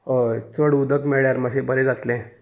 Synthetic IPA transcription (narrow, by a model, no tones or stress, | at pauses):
ət͡səɽud̪əkmeɭjaɾməsebəɾed͡zat̪lẽ